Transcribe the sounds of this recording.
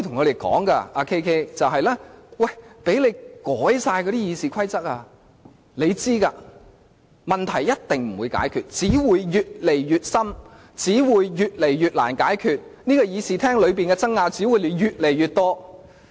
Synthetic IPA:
t̪ʰʊ˨˩ŋkɔː˨˧ɾe˨˩jkɔ̰ː˨˥ŋka̰˧ʔaː˧kʰe˥jkʰe˥t͡sɐ˨wɦɐ˨jlɛː˥wɐ˥˩jpe˨˥jle˨˧jkɔː˨˥jsaː˧jkɔː˧˨˧ɾiː˥jiː˨˧siː˨kʰɐ˥jt͡sɐ˥t̚aː˧ | le˨˧jt͡siː˥kaː˧ | mɐ˨nt̪ʰɐ˨˩jjɐ˥t̚t̪ɪ˨ŋm̩˨˩wu˨˧jka̰ː˨˥jkʰyː˨t̚t͡siː˨˥wuː˨˧jjyː˨t̚le˨˩jjyː˨˧t̚sɐ˥m | t͡siː˨˥wuː˨˧jyː˨˧t̚le˨˩jjyː˨t̚la̰ː˨˩nkaː˨˥jkʰyː˧t̚niː˥kɔ˧jiː˨˧siː˨˩t̪ʰɛː˥ŋlɵ˨˧ɥpiː˨nkɛ˧t͡sɐ˥ŋŋaː˧t͡siː˨˥wuː˨˧jle˨˧jɥyː˨t̚le˨˩jyː˨˧t̚t̪ɔː˥

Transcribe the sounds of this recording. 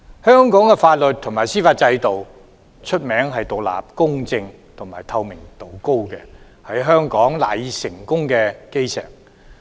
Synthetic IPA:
hœː˥ŋkɔː˨˥ŋkɛ˧faː˧t̚lɵ˨t̚t̪ʰːʊ˨˩ŋmaː˨˩jsiː˥faː˧t̚t͡sɐ˧jt̪o˨w | t͡ʃʰɵ˥t̚mɛː˨˥ŋɦɐ˨jt̪o˨k̚la̰ː˨p̚kʊ˥ŋt͡sɪ˧ŋ | t̪ʰʊ˨˩maː˨˩jt̪ʰɐ˧wmɪ˨˩ŋt̪o˨˩wko˥wkɛ˧ | hɐ˨˥jɦœː˥ŋkɔː˨˥ŋla̰ː˨˩ji˨sɪ˨˩ŋkʊ˥ŋkɛ˧ke˥jsɛ̰ː˨˩k̚

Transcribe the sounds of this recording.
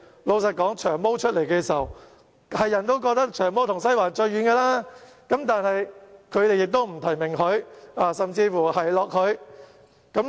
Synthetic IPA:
lo˨˧wsɐ˨t̚kɔː˨˥ŋt͡ʃʰœː˨˩ŋmo˥wt͡ʃʰɵ˥t̚le˨˩jkɛː˧si˨i˨˩w | hɐ˨jːɐ˨˩nt̪o˥wk̬ɔː˧k̚t̪ɐ˥k̚t͡ʃʰœː˨˩ŋmo˥wt̪ʰʊ˨˩ŋsɐ˥jwaː˨˩nt͡ʃɵ˧ɥyː˨˧nkɛː˧laː˥ | kɐ˨˥mt̪aː˨˧nhɐ˨jkʰɵ˨˧ɥt̪e˨jːɪ˨k̚t̪o˥wm̩˨˩t̪ʰɐ˨˩jmɪ˨˩ŋkɵ˨˧ɥaː˧˩sɐ˨mt͡siː˧fuː˨˩hɐ˨jlɔː˨k̚hʰɵ˨˧ɥ | kɐ˨˥m

